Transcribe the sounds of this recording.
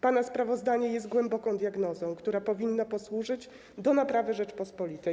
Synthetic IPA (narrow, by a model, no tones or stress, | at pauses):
panaspɾavɔzd̪aɲɛjɛst̪̚ɡwɛmbɔkɔ̃w̃d̪ʲjaɡnɔzɔ̃w̃kt̪uɾapɔvʲinːapɔswuʐɘd͡ʑ | d̪ɔnapɾavɘʐɛt͡ʂpɔspɔlʲit̪ɛj